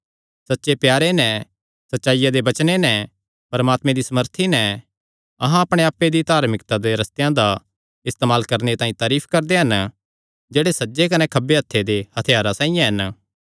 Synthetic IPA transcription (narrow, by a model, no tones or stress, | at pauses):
sɐtːʃepjaːɾenɛ̃ | sɐtːʃaːɪjad̪ebɐt͡ʃnenɛ̃ | pɐɾmaːt̪mẽd̪isɐməɾt̪ʰinɛ̃ | ɐɦãɐpɽ̃eaːpːed̪it̪aːɾmɪkt̪ad̪eɾɐst̪ejãd̪a | ɪst̪eːmaːlkɐɾnet̪aːĩt̪aːɾiːpʰkɐɾd̪eɦɐn | d͡ʒeːɽesɐtːd͡ʒekɐnɛkʰɐbeɦɐt̪ʰːed̪ehɐt̪ʰɪjaːɾasãːĩjãɦɐn